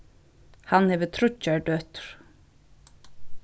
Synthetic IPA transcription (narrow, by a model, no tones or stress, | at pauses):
hanhɛːvət̪ʰɾʊcːaɹɖœːt̪ʏ̥ɹ̥